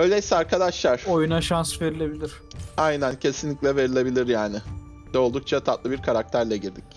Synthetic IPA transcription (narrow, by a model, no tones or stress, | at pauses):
øjlʲesɛaɾkʰad̪aʃlˠaɾ̥ojunaʃansve̞ɾilʲe̞bilʲiɾ̥ajnæncʰe̞sinlʲiclʲɛve̞ɾilʲe̞bilʲiɾjaːnɪ | d̪olˠd̪uk̚t͡ʃʰat̪ʰat̪lˠɯbiɾkʰaɾak̚t̪ʰæɾlʲɛɟiɾd̪ic